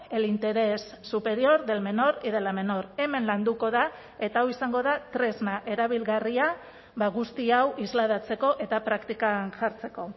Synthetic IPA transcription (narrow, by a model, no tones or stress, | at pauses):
e̞lint̪e̞ɾe̞sːupe̞ɾio̞ɾðe̞lme̞no̞ɾið̞e̞lame̞no̞ɾe̞me̞nland̪uko̞ða | e̞t̪aawisaŋɡo̞ðat̪ɾe̞zmaʔe̞ɾaβ̞ilɣaria | βaɣ̞ust̪iawizlaðat͡se̞ko̞ʔe̞t̪apɾakt̪ikanʝaɾt͡se̞ko̞